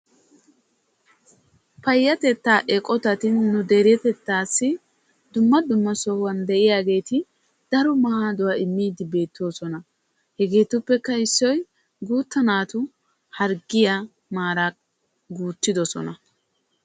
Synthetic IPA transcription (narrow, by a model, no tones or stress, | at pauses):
pɐjːɐt̪ɛt̪ːaːʔɛkʼɔt̪ɐt̪ɪnːʊd̪eɾɪjɛt̪ɛt̪ːaːsːɪ | d̪ʊmːɐd̪ʊmːɐsɔhʊwɐnd̪ɛʔɪjaːɡe̞ːt̪ɪ | d̪̥ɐɾɔmɐhaːd̪ʊwaɪmːiːd̪ɪbe̞ːt̪ːoːsɔnɐ | hɛɡe̞ːt̪ʊpːɛkːɐɪsːɔj | ɡuːt̪ːɐnaːt̪ʊ | hɐɾɡɪja | maːɾa | ɡuːt̪ːɪd̪ɔsɔ̰nɐ